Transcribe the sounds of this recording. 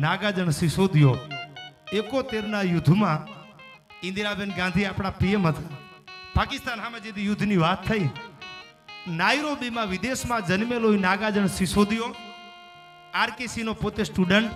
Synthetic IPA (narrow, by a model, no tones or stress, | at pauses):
naɡad͡ʒəɳsisod̪ijo | ekot̪eɾnajʊd̪ʱːmã | ɪ̃nd̪iɾabenɡãnd̪ʱiaːpɽ̃apiemɦət̪ʰapakɪst̪aːnɦamẽd͡ʒed̪ijʊd̪ʱniʋaːt̪ʰːəi | naiɾobimãʋɪd̪esmãd͡ʒənmeloinaːɡad͡ʒəɳsisod̪jo | aːɾkesinopot̪esʈuɖəɳʈ